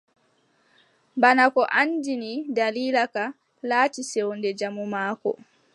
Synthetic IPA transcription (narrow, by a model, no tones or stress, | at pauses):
banakɔʔand͡ʒinidaliːlaka | laːtisɛwndɛd͡ʒamumaːkɔ̰